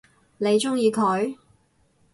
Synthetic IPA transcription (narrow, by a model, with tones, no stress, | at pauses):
ne˨˧jt͡sʊ˥ŋjiː˧kʰɵ˨˥ɥ